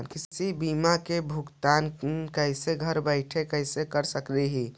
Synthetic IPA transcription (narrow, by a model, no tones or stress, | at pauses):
nkɪsibimakebʱuɡt̪aːnnkəɪseɡʱəɾbəɪʈʰekəɪsekəɾsəkliɦi